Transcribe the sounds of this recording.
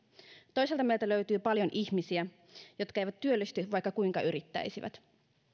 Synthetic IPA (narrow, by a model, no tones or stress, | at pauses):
t̪o̞jselt̪ɑmeilt̪æløyt̪yːpɑljo̞nʔiçmisiæ | jot̪kæˑejʋæt̪t̪ːyølːist̪yʋɑjkːɑkuiŋkɑʔyɾit̪ːæ̰jsiʋæ̰t̪